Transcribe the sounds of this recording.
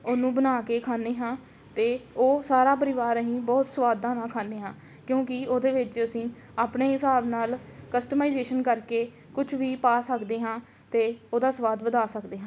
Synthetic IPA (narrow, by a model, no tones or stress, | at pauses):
oːnũːbənaːkeːkʰaːneːɦãː | t̪eːoːsaːɾaːpəɾɪʋaːɾəɦĩːbɔːt̪səʋaːd̪ãːnãːkʰaːneːɦãː | kjõːkɪoːd̪eːʋɪt͡ʃəsĩː | aːpneːɦɪsaːbnaːlkəsʈəmaːizeːʃənkəɾkeː | kʊt͡ʃʰʋiːpaːsəkd̪eːɦãː | t̪eːoːd̪aːsəʋaːd̪ʋəd̪aːsəkd̪eːɦãː